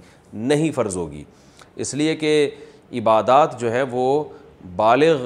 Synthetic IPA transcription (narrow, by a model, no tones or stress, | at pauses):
nɐɦĩfɐɾzɦo̰ːɡḭː | ɪslieke | ɪbaːd̪aːt̪d͡ʒoːɦɛʋo | baːlɪɣ